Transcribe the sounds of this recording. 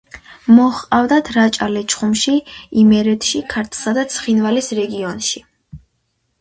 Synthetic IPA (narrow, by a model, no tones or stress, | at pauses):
mɔχqʼavd̪at̪ʰɾat͡ʃʼalɛt͡ʃʰχumʃiimɛɾɛt̪ʰʃikʰaɾt̪ʰlˠsad̪at̪sʰχinvalisɾɛɡiɔnʃi